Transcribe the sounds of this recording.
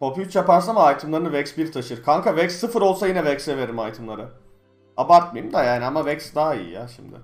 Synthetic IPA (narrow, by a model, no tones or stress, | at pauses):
popʰyt͡ʃjapaɾs̬anmaajt̪ʰɯmlˠaɾɯnɯvɛksbiɾt̪ʰaʃɯɾkʰaŋkʰavɛksːɯfɯɾo̞lˠsajinɛvɛksɛve̞ɾimajt̪ʰɯmlˠaɾɯ | abaɾt̪̚majɯmd̪ajaːniamavɛksd̪aɦaḭjḭja̰ʃimd̪ɪ̰